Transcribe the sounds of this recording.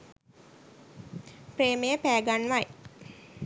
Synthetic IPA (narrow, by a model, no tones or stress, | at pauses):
preːməjəpæːɡanʋaj